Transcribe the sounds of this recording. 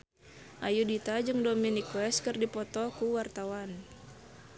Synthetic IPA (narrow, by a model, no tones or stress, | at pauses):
ʔajudit̪ad͡ʒɨŋdɔminikwɛskɨrdipɔt̪ɔkuwart̪awan